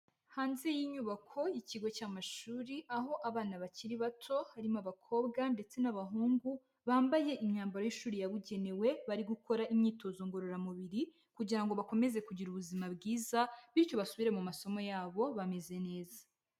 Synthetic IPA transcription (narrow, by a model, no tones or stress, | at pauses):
haːnzejiɲuːβakʰo̞jiciɡo̞caːmaʃuːɾiʔaɦo̞ʔaβaːnaβaciɾiβatʰo̞haɾimaβakʰo̞ːbɡande̞t͡se̞naβaɦuːŋɡu | βaːmbaje̞ʔimɲaːmbaɾojiʃuːɾijaβuɟe̞ne̞we̞βaɾiɡukʰo̞ɾaʔimɲiːto̞zoŋɡo̞ɾoɾamuβiɾi | kuɟiɾaŋɡo̞βako̞me̞ze̞kuɟiɾuβuzimabɡiːzaβiɾco̞βasuβiɾe̞mumaso̞mo̞jaːβo̞βame̞ze̞ne̞ːzḁ